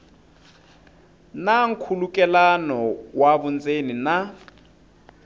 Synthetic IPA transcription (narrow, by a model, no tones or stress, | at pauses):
naŋ̩kʰulukʼɛlanɔwaβunt͡sʼenina